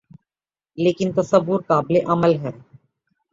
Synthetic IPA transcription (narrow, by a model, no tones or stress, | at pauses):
leːkɪnt̪ɐsəʋːʊɾkaːbɪleʔɐməlɦɛː